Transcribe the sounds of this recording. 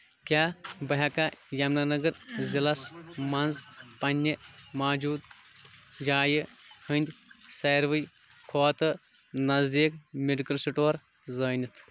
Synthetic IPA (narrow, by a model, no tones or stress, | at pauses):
kʲaːbɐɦɐkajɐmnanɐɡɐɾzilɐsmɐnzpɐnʲːimaːd͡ʒuːd̪ | d͡ʒaːjihɨnʲd̪ʲsɐjɾʋɨj | kʰoːt̪ɨ | nɐzd̪iːkmeɖikɐlsiʈoːɾ | zɐːnʲit̪ʰ